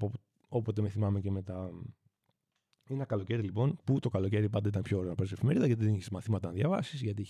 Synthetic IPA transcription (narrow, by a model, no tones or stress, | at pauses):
po | o̞pot̪e̞meθimɐmece̞me̞t̪ɐ | enɐkɐlo̞ce̞ɾilipo̞nput̪o̞kɐlo̞ce̞ɾipɐnd̪eit̪ɐnpço̞ɾenɐpeɾsefimeɾiðɐʝɐt̪iðeniçesmɐθimɐt̪ɐnðjʝɐvɐsizʝɐt̪i